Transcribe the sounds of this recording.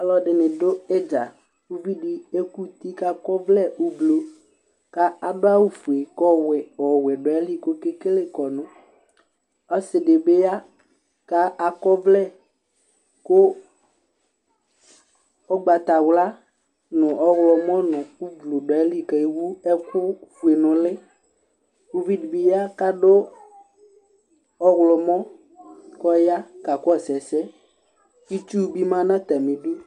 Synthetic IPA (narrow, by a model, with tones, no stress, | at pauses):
a˨lɔ˦ɖɪ˨nɪ̃˨dʊ˦e˦d͡ʒa˨ | u˦vi˦ɖɪ˦e˦ku˦t̪i˦ka˦kɔ˦vlɛ˦u˦blo˨ | ka˦a˨dʊ˦a˦wu˨fu˨e˨kɔ˦wɛ˨ɔ˨wɛ˨ɖɔ˨ɛ˦li˦ko˦ke˦ke˦le˦kɔ˨nʊ̃˦ | ɔ˦sɪ˨ɖe˨be˦a˦ | ka˦ʔa˨kɔ˦vlɛ˦˨ | ko˦ | ɔ˦ɡ͡ba˨t̪a˨wla˦ | nʊ̃˨ʔɔ˦ɣlɔ˨mɔ̃˦nʊ̃˨u˦vlʊ˨ɖɔ˨ɛ˦li˦ka˨i˦wu˦ɛ˦kʊ˦fu˨e˨nʊ̃˨lɪ˦ | ko˦vi˦dbi˦ja˦ka˦dʊ˦ | ɔ˦ɣlɔ˨mɔ̃˦ | kɔ˦ja˦ka˨kʊ˦ɔ˨sɛ˨sɛ˦ | i˦tu˦˨bi˦mã˦nã˦t̪a˨mĩ˨du˦